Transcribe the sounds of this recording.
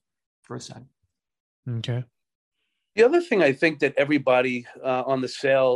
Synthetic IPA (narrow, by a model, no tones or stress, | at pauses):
fə˞sɛ̰̃n | okʰeɪ | ðiʌðə˞θɪ̃ŋaɪθɪ̃ŋk̚ðɨɾʔɛvɹibɑɾiʌə̃nðɨseɪlˠ